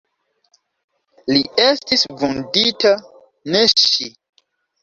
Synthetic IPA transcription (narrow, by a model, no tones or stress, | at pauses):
liestisvundita | neʃi